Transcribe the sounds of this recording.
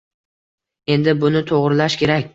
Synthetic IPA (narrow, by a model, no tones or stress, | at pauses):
e̞nd̪ɪbʊnɪt̪ʰoʁɾɪlaʃkʲe̞ɾakʲ